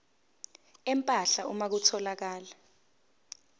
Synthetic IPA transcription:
ɛmpʼaɬaumak̬utʰɔlak̬aːla

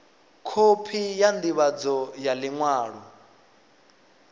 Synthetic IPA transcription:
kʰopʰijand̪iβad͡zɔjaliŋwaːɺɔ

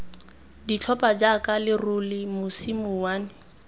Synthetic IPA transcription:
dit͡ɬʰɔpad͡ʒakʼalɪrʊlɪmʊsimʊwaːnɪ

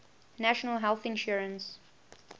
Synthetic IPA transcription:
næʃənəlˠɦɛlˠθɪ̃nʃuɹə̃ns

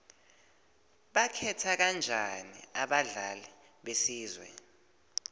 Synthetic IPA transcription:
ɓakʰɛtʰak̬and͡ʒʱaniaɓaɮalɛ | ɓesiːzwɛ̰

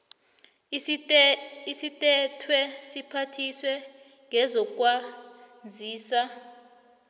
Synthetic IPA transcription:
isitʼɛtʰwɛsipʰatʰiswɛ | ŋʱɛzɔk̬ʼwand͡zʱiːsa

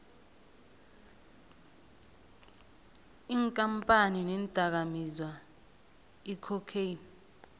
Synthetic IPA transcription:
iŋkʼampʼaninɛntʼak̬amizwa | ikʰɔkʰejn

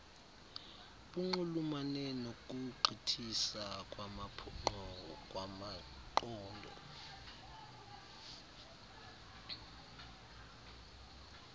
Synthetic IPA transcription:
ɓuŋ͡ǃulumanɛnok̬ʼuǃʱitʰisak̬ʼwamapʰŋ͡ǃkʼwama | ǃɔːndʱɔ̰

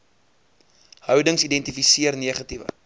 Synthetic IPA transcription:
hœwdəŋsidɛntifisiərniəχɐtivə̰

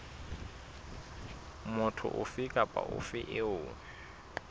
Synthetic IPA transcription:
mʊtʰʊ̰ʔʊfikʼapʼa̰ʔʊ̰fɪʔɪʊː

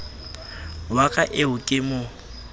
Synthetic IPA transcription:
wakʼaʔɪʊkʼɪmʊ

